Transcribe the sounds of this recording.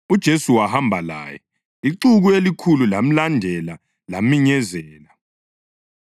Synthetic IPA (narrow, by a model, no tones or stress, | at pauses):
ud̥ʒ̥ʱesuwahambʱala̰ːjɛ̰ | iǃuɣuelikʰululam̩landʱɛla | lamiɲɛzɛːla